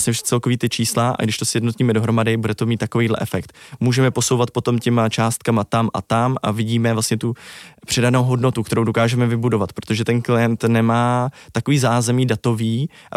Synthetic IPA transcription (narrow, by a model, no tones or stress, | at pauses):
sɲɛʃt͡sɛlkoviːt̪ɪt͡ʃiːslaʔa̰ɡdɪʃt̪o̞sjɛdnot̪ɲiːmɛdo̞ɦɾo̞madɪbudɛt̪o̞miːt̪ːako̞viːdlɛ̰ʔɛfɛkt̪muːʒɛmɛpo̞so̞wvat̪̚po̞t̪o̞mcɛmat͡ʃaːst̪̚kamat̪amʔa̰t̪amʔa̰vɪɟiːmɛvlastɲɛt̪upr̝̥ɛdanowɦo̞dno̞t̪ukt̪ɛɾowdo̞kaːʒɛmɛvɪbudo̞vat̪pɾot̪oʒɛt̪ɛnklɪjɛnt̪nɛmaːt̪akoviːzaːzɛmiːdat̪o̞viːʔa